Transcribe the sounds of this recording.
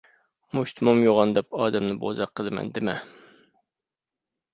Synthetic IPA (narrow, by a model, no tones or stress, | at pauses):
mʊʃt̪ʰmɑmjoʁɑnd̪ɛpɑːd̪ɛmnɪbo̰zɑqʰːəlˠɨmɛ̰nd̪ɪmɛ